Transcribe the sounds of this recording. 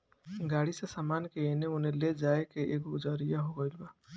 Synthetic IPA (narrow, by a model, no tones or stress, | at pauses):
ɡaɽisasamankeeneuneled͡ʒaekeʔekud͡ʒaɾijaɦoɡɔjlba